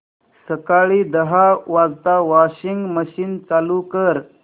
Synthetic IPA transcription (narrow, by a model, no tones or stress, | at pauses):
səkaɭiːd̪əɦaʋazt̪aʋaɕiŋɡməɕiːnt͡salukəɾ